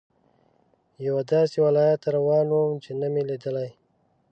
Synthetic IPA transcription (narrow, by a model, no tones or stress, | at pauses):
jawad̪ɑsewalɑjat̪ɾawɑnwumt͡ʃenamelid̪əlaj